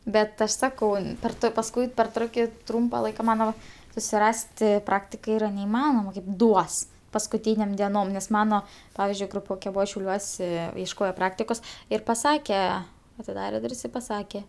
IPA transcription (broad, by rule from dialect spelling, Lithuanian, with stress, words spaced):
ˈbʲɛt ˈɐʃ ˈsɑːkɐʊ pʲɛr ˈtoː pɐsˈkʊɪ pʲɛr ˈtroːkʲɪ ˈtrʊmpɐ ˈlˠɐɪkɐ ɪˈmɑːnoːmɐ sʊsʲɪˈrɑːsʲtʲɪ ˈprɑːktʲɪkɐ ˈiːrɐ nʲɛɪˈmɑːnoːmɐ kɐɪp ˈduɔs pɐskʊˈtʲiːnʲeːm dʲiɛˈnoːm nʲɛs ˈmɑːnoː ˈpɑːʋʲɪzʲd͡ʒʲʊɪ ɡrʊˈpʲoːkʲɛ ˈbʊʋɐ ʃʲɛʊˈlʲuɔsʲɛ iɛʃˈkoːjoː ˈprɑːktʲɪkoːs ɪr pɐˈsɑːkʲɛ ɐtʲɪˈdɑːrʲeː ˈdʊrʲsʲ ɪ pɐˈsɑːkʲɛ